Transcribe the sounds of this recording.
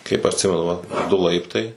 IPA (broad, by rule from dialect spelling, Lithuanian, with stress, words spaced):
kɐɪp ɐtʲˈsʲɪmʲɛnʊ ʋɐt ˈdʊ ˈlˠɐɪptɐɪ